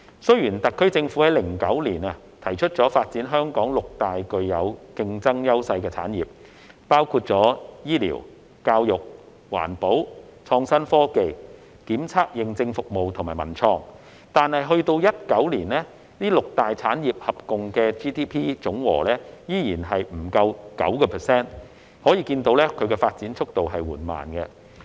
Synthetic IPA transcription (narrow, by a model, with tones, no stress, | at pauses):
sɵ˥ɥjyː˨˩nt̪ɐ˨˩kʰɵ˥ɥt͡sɪ˧ŋfuː˨˥ɛ˨˥jlɪ˨˩ŋkɐ˨˥wliː˨˩nɐ˧ | t̪ʰɐ˨˩jt͡ʃʰɵ˥t̚t͡ʃɔː˨˥faː˧t̚t͡siː˨˥nɦœː˥ŋkɔː˨˥ŋlʊ˨k̚t̪aː˨jkɵ˧ɥjɐ˨˧wkɪ˧ŋt͡sɐ˥ŋjɐ˥wsɐ˧jkɛː˧t͡sʰa̰ː˨˥njiː˨p̚ | paː˥wkʰuː˧t̚t͡sɔː˨˥jiː˥lḭː˨˩w | kaː˧wjʊ˨k̚ | wa̰ː˨˩npo˨˥wt͡sʰɔː˧ŋsɐ˥nfɔː˥ke˧j | kiː˨˥mt͡sʰaː˥k̚jɪ˨ŋt͡sɪ˧ŋfʊ˨k̚mo˨wt̪ʰʊ˨˩maː˨˩jmɐ˨˩nt͡sʰɔː˧ŋ | t̪aː˨nhɐ˨jɦɵ˧ɥt̪o˧wjɐ˥t̚kɐ˨˥wliː˨˩nlɛː˥ | niː˥lʊ˨k̚t̪aː˨jt͡sʰaː˨˥njiː˨p̚hɐ˨p̚kʊ˨ŋkɛː˧t͡ʃiː˥t̪ʰiː˥pʰiː˥t͡sʊ˨˥ŋwɔ̰ː˨˩lɛː˥jiː˥jiː˨˩nɦɐ˨jm̩˨˩kɐ˧wkɐ̰˨˥wkɔː˧pʰɛː˨˩sɛː˥n | hɔː˨˥jiː˧kiː˧nt̪o˨˥wlɛː˥kʰɵ˨˧ɥkɛ˧faː˧t̚t͡siː˨˥nt͡ʃʰʊ˥k̚t̪o˨wɦɐ˨jwuː˨˩nma̰ː˨nkɛ˧